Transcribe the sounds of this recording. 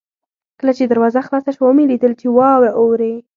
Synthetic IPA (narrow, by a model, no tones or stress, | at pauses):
kəlat͡ʃed̪aɾwɑzaxlɑsaʃwamelid̪əlt͡ʃewɑweʔowɾe